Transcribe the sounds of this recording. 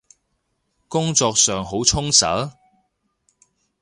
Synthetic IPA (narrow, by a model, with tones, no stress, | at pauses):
kʊ˥ŋt͡sɔː˧k̚sœː˨ŋɦo˨˥wt͡sʰʊ˥ŋsɐ̰˨˥